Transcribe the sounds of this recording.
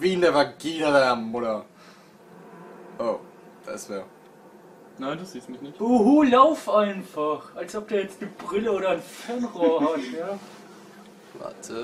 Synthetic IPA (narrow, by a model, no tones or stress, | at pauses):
viːnəvaɡiːnədaɐmʊɾɐ | ʔoː | d̥a̰sv̥ɛː | naɪndasz̥iːstmɪçnɪçb̥uɦuːlaʊfʔaɪnfaχʔalsʔɔp̚d̥uːɐjɛt͡stnəbʁɪləoːɾɐnfɛɐnʁoːɐhatjaː | va̰tʰə